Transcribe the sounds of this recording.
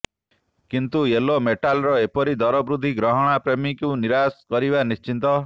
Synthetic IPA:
kint̪uelomeʈalɾɔepɔɾid̪ɔɾɔbɾud̪ʱiɡɾɔɦɔɽ̃apɾemikuniɾaskɔɾibanist͡ʃint̪ɔ

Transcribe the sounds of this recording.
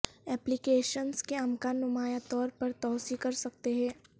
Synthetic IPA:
ɛːplɪkeːʃənskeɐmkanʊmaːjat̪ɔːɾpɐɾt̪ɔːsikɐɾsɐk̚t̪eɦɛ̃ː

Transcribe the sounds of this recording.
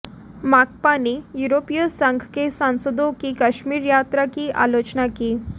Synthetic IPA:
mak̚panijuɾopijəsãŋɡʱkesãw̃səd̪okikəɕmiːɾjat̪ɾakiːʔa̰lot͡ɕnakiː

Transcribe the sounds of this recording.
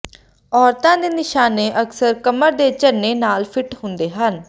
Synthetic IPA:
ɔːɾt̪ãːd̪eːnɪʃaːneːʔəksəɾkəməɾd̪eːt͡ʃəɾneːnaːlpʰɪʈɦʊnd̪eːɦən

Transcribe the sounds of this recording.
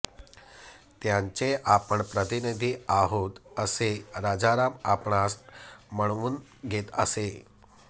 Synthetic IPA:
t̪jãɲt͡seʔapəɳpɾət̪inid̪ʱiːaɦot̪əseɾad͡zaɾama̰pɳ̃asməɳ̃ʋuːnɡʱet̪ə̰se

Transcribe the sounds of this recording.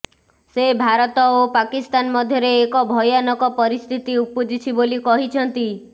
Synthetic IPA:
sebʱaɾɔt̪ɔopakist̪anmɔd̪ʱjɔɾeːkɔbʱɔjɔnɔkɔpɔɾist̪ʰit̪iupud͡ʒit͡ʃʰibolikɔɦit͡ʃʰɔnt̪i

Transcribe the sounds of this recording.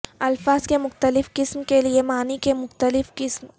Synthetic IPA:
ɐlfaːzkemʊxt̪əlɪfqɪsmkeliemaːnikemʊxt̪əlɪfqɪsm

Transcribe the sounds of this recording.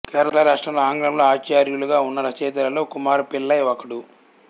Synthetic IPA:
kɛːɾɐɐlɐɾaːʂʈɾɐmloaːŋɡɾɐmloːaːt͡ʃaːɾjuluɡaːunːɐɾɐt͡ʃeːt̪ɐɾɐlo̞ːkumaːɾupilːɐjɔkɐɽu

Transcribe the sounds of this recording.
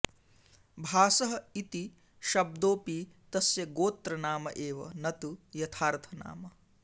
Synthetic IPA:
bʱaːsɐɦɐit̪i | ʃɐb̚d̪oːpit̪ɐsjɐɡoːt̪ɾɐnaːmɐ̰ʔeːʋɐ̰nɐt̪ujɐt̪ʰaːɾt̪ʰɐna̰ːmɐ

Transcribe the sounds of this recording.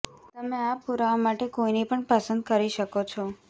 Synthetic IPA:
t̪əmeapuɾaʋomaʈekoinipəɳpəsə̃nd̪kəɾiʃəkot͡ʃʰɔ

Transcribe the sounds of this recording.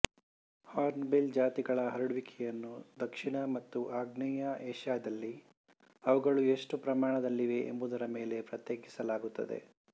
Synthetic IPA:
haːɾnbeld͡ʒaːt̪iɡɐɭɐɦɐɾuɽuʋikʰɛjɐnːud̪ɐkʂiɳɐmɐt̪ːuʔaːɡnɛjɐɛːʂaːd̪ɐlːi | ɐʋɐɡɐɭue̞ʂʈupɾɐmaːɳɐd̪ɐlːiʋe̞ʔembud̪ɐɾɐme̞ːle̞pɾɐt̪jeːkisɐlaːɡut̪ːɐd̪ḛ

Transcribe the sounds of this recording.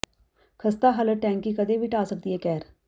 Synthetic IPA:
kʰəst̪aːɦələʈɛ̃ːŋkikəd̪eːʋiːʈaːsək̚d̪iːɦɛːkɛːɾ

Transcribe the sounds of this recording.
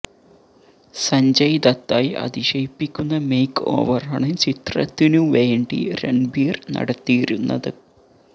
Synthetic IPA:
sɐɲd͡ʑɐjid̪ɐt̪ːaːjɐ̰d̪iɕɐjpːikʲːunːɐmejkːo̞̰ːʋɐrɐɳɐt͡ɕit̪rɐ̰t̪ːinuʋe̞ːɳɖḭɾḛɳbiːrnɐ̰ɽɐt̪ːijiɾunːɐ̰ðɨ

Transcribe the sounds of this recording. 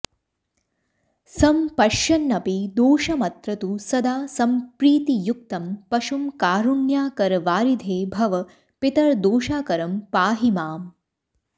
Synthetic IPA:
sɐmpɐʃjɐnːɐpid̪oːʃɐmɐt̪ɾɐt̪usɐd̪aːsɐmpɾiːt̪ijuk̚t̪ɐmpɐʃumkaːɾuɳjaːkɐɾʋaːɾid̪ʱeːbʱɐʋɐ | pit̪ɐɾd̪oːʃaːkɐɾɐmpaːɦimaːm

